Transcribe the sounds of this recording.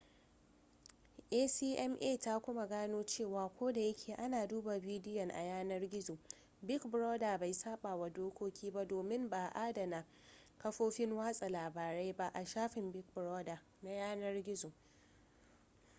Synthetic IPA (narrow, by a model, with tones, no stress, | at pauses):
ʔeː˦siː˦ʔɛ˦mʔeː˦˨ta˦kʷʊ˦ma˨ɡaː˦noː˦t͡ʃeː˦˨waː˨kʷoː˦da˨jɐ˦kʲʰeː˨ʔa˦naː˨duː˦ba˨biː˦dɪ˦jɔ˨ŋʔa̰˨jaː˦nɐ˦rɡʲɪ˦zo˨ | bɪ˦kbɾoː˦da˨ba˨jsaː˦ɓaː˨wa˨doː˦kʷoː˦kʲʰiː˦ba˦doː˨mɪ˦mbaː˨ʔaː˦dɐ˨na˨ | kɐ˦ɸoː˦ɸɪ˦ŋwaː˦sʼa˨laː˨baː˨ɾa˦jba˦ʔa˨ʃaː˦ɸɪ˨mbɪ˦k̚bɾo˦da˨ | na˦jaː˦nɐ˦rɡʲɪ˦zo˨